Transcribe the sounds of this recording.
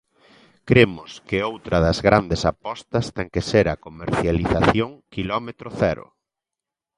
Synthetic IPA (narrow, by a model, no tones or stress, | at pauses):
kɾemʊskɪowt̪ɾɐðɐzɣɾand̪esapɔst̪ɐst̪ɛŋkeseɾɐkomeɾθjaliθaθjoŋkilɔmet̪ɾoθɛɾʊ̰